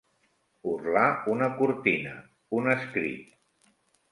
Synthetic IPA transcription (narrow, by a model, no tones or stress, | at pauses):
urlaunəkuɾt̪inə | unəskɾḭt̪̚